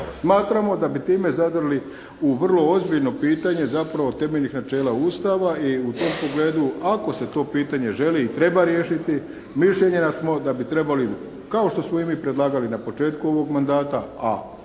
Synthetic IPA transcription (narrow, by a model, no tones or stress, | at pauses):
smaːt̪ɾamo̞d̪abit̪iːme̞zad̪rli | uʋr̩lˠo̞ozbiʎno̞piːt̪aɲe̞zapɾaʋo̞t̪e̞meʎnixnat͡ʃe̞ːlauːst̪aʋaiut̪o̞mpo̞ɡle̞ːd̪uako̞se̞t̪o̞ːpiːt̪aɲe̞ʒe̞liːt̪ɾe̞baɾje̞ːʃit̪i | miʃʎe̞ɲe̞nasmo̞d̪abit̪ɾe̞bali | kao̞ʃt̪o̞smoimipɾe̞d̪lˠaːɡalinapo̞t͡ʃe̞ːt̪kuo̞ʋo̞ɡmand̪aːt̪aa̰